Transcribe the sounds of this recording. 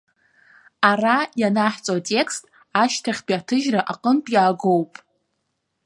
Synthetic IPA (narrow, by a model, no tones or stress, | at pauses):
arajanaħt͡sʼoatʼe̞kʰstʼ | aʃtʰaχʲpiatʰɨʒraʔaqʼəntʼjaːɡo̞wpʼ